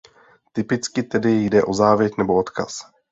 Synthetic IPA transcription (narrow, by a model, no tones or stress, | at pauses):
t̪ɪpɪt͡skɪt̪ɛdɪjdɛʔo̞zaːvjɛt̪nɛbo̞ot̪ka̰s